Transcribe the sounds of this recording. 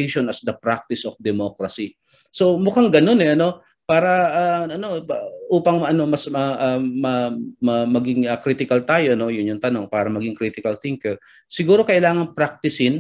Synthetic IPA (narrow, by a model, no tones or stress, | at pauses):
jʃonɐsd̪ɐpɾak̚t̪ɪsʔofd̪ɛmokɹɐsi | so̞mʊkaŋɡɐno̞nɛɐno̞ | paːɾɐʔaːɐno̞ʔuːpɐŋɐno̞mɐsmɐʔamɐmɐmɐɡɪŋɐkɾit̪ɪkɐlt̪aːjo̞no̞jʊnjʊŋt̪ɐno̞ŋpaːɾɐmɐɡiŋkɾit̪ɪkɐlθɪŋkɛɹ | sɪɡuːɾo̞kɐʔɪlaːŋɐnpɾak̚t̪ɪsɪn